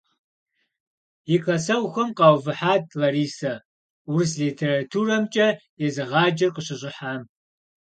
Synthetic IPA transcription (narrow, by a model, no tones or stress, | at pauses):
jikʰɐsɐwxʷɐmqɑwvɨħaːd̚lɐɾiːsɐ | wrslitʰeːratʰurɐmt͡ʃʼɐjɛzɨʁɑːd͡ʒɪrqəɕɪɕʷʼɪħaːm